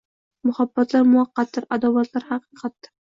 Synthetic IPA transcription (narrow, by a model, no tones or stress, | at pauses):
mʊhabːat̪laɾmʊɑqːɑt̪ːɪɾad̪ɒvat̪laɾhɑqʰɨqʰɑt̪ːɪɾ